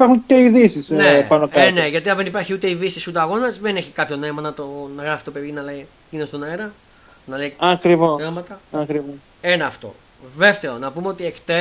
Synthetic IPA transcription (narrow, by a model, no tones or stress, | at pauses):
ipɐɾxunt̪eiðisisnepɐnokɐne̞ʝɐt̪iɐnðenipɐɾçiut̪e̞iðisisut̪̬eɐɣo̞nɐzðeneçikɐpço̞neimɐnɐt̪onɐɣɾɐfi̥t̪o̞peðinɐleji | inost̪onɐeɾɐ | nɐlejɐkɾivoemɐt̪ɐɐkɾivos | enɐːft̪o̞̰ | ðe̞ft̪e̞o̞nɐpumeo̞t̪iekt̪e